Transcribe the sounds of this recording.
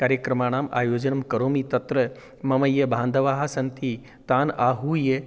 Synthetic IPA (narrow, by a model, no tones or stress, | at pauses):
kaːɾjɐkɾɐmaːnaːmʔa̰ːjoːd͡ʒɐnɐmkɐɾoːmit̪ɐt̪ɾɐ | mɐmɐjɐbʱaːnd̪ʱɐʋaːɦɐsɐnt̪i | t̪aːnaːɦuːje